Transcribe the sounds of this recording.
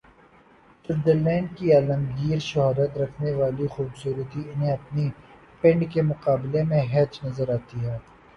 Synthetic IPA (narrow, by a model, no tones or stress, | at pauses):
sʊɾd̪əɾlɛ̃ːɳɖ̚kiaːləmɡiːɾʃɐɦaːɾət̪ɾɐkʰneʋaːlixuːbsuːɾət̪iʊnɦẽɐpni | pɪ̃ɳɖkemʊqaːbɪlemẽɦɛːd͡ʒnɐzəɾaːt̪iɦɛː